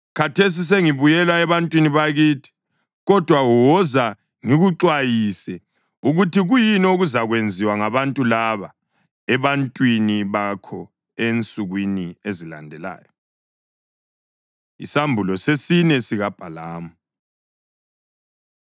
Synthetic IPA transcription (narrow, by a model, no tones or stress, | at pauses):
kʰatʰes̬is̬eŋiβujɛlaɛβantʼwiniβaɣitʰi̥ | ɣɔd̥ʱwawɔza | ŋiɣuǁwajisɛ | uɣutʰiɣujinoɣuzaɣwend͡zʱiwaŋaβantʼulaβa | ɛβantʼwiniβakʰɔ | ent͡sʼuɣwiniezila̰ndʱɛla̰ːjɔ | ḭsambʱulɔsesinɛsiɣab̥ʱalaːmu